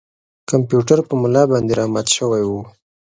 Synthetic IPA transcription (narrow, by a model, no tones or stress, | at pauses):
kampjuʈaɾpəmʊlɑbɑnd̪eɾɑmat̪ʃəwajwu